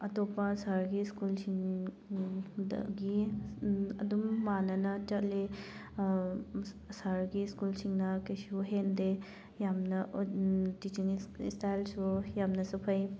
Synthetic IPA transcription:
ɐtopɐsaɾɡiskulsiŋ | ɡi | ɐdumːanɐnɐt͡ʃɐtle | saɾɡiskulsiŋnɐkesuɦende | jamnɐ | tit͡ʃiŋḭstajlsujamnɐsupʰɐj

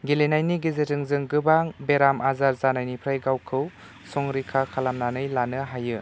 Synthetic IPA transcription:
ɡelenajniɡezetɯŋzɯŋɡɯbaŋbeɾamʔazaɾzanajnipʰɾajɡawkʰɯw | sɔŋɾikʰakʰalamnanɯjlanɯɦajɯ

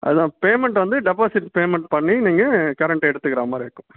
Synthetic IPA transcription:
ʔɐ̰ðɯt̪ãːpeːmɛɳʈʋɐnd̪ɯɖɛpaːsɪʈpeːmɛɳʈpɐɳːiniːŋɡɐkɐɾɛɳʈɛɽɯt̪ːɯkːɪɾaːmaːɾeːkːʊ̃

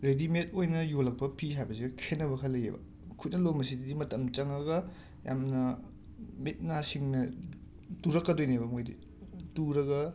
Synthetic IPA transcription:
ɾedimet̚ojnɐjolɐk̚pɐpʰiɦajbɐsiɡɐkʰenːɐβɐkʰɐlɐjḛbɐ̰ | kʰut̚nɐlomɐsididimɐtɐmt͡ʃɐŋɾɐɡɐ | ja̰mnɐ | mit̚nasiŋnɐ | tuɾɐkːɐdojnebɐmojdḭ | tuɾɐɡɐ

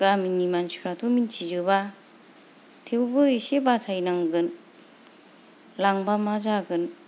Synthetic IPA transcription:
ɡaminimansuɾatʰomintʰizɯβa | tʰewbɯisebatʰajnaŋɡɯn | laŋbamazaɡɯn

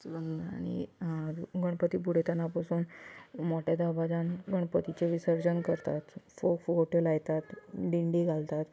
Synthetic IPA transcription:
əna̰nḭ | ɡəɽpət̪ibuɽ̤et̪anapasuːnmɔʈad̪abad͡zanɡəɳpət̪it͡ɕeʋisəɾd͡ʑənkəɾt̪at̪fokfɡoʈelajt̪at̪ɖiɳɖiɡʱalt̪at̪

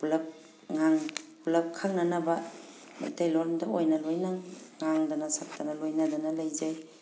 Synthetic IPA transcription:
pulɐp̚ | ŋaŋpulɐp̚kʰak̚nɐnɐbɐ | ma̰jtajlɔɾmdɐojnɐlojnaŋaŋdɐnɐsak̚tɐnɐlojnɐdɐnɐlɐjzaj

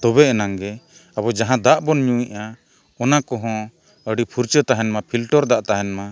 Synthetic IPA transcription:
t̪ɔbɛʔnaŋɡɛ | abɔd͡ʒaɦãd̪aʔbɔnɲuiʔa | ɔnakɔɦɔ̃ | əɖipʰuɾt͡ʃət̪aɦɛnmapʰilʈɔɾd̪aʔt̪aɦɛnma

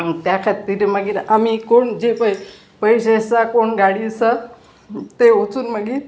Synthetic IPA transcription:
t̪jakʰat̪iːɾməɡiːɾamikoɳd͡ʑepəj | pəjɕesakoɳɡaɽisa | t̪eot͡suːnməɡiːɾ

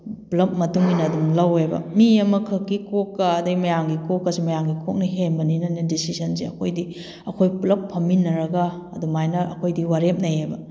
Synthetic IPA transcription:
pulɐp̚mɐtuŋinɐːdumlɐwejbɐ̰miɐmɐkʰɐkːikokːɐɐdɐɡimɐjaŋɡikokːɐsimɐjaŋɡikʰok̚nɐɦenbɐninɐnɐdisisɐnseɐkʰojdi | ɐkʰojpulɐpʰːɐminːɐɾɐɡɐː | dumajnɐɐ̰kʰojdiwaɾep̚nɐjajbɐ

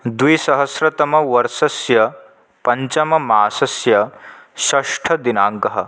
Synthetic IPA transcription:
d̪ʋiːsɐɦɐsɾɐt̪ɐmɐʋɐɾsɐsjɐ | pɐɲt͡ɕɐmɐmaːsɐsjɐɕɐʂʈʰɐd̪inaːŋkɐɦɐ̰

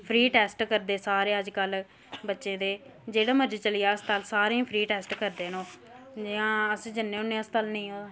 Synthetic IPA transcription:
pʰɾiːʈɛːsʈkəɾd̪eːsaːɾeːəd͡ʒkəl | bətːʃẽːd̪eːd͡ʒeːɽaːməɾd͡ʒt͡ʃəlɪjaːəst̪əlsaːɾẽːpʰɾiːʈɛːsʈkəɾd̪eːnõː | d͡ʒɪãːəsd͡ʒənːẽːʊnːẽːəst̪əlnĩːoː

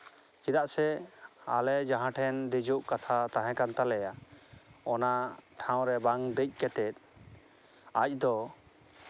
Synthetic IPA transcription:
kid̪aʔsɛa̰lɛd͡ʒaɦãʈʰɛnd̪id͡ʒuʔkat̪ʰat̪aɦɛ̃kant̪alɛja | ɔnaʈʰãw̃ɾɛbaŋd̪əc̚ˀkɛt̪ɛt̪̚ˀ | ac̚d̪ɔ

